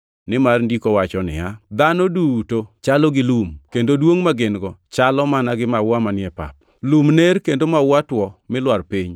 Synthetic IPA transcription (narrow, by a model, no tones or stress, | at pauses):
nɪmarndikowat͡ʃɔnɪ̰jad̪anodutot͡ʃalɔɡɪlumkendodwoŋmaɡɪnɡɔt͡ʃalɔmanaɡɪmawamanjɛpa̰p̚ | lumnerkendomawatwɔmɪlwarpiɲ